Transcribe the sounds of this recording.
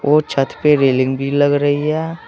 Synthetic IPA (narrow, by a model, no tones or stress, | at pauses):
ʔot͡ʃʰət̪ʰpeɾeːlɪ̃ŋɡbʱiləɡɾəɦiɦɛː